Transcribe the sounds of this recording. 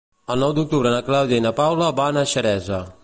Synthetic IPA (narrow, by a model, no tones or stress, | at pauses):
əlˠnɔwd̪uk̚t̪uβɾənaklawd̪jainapawlabanaʃəɾɛzə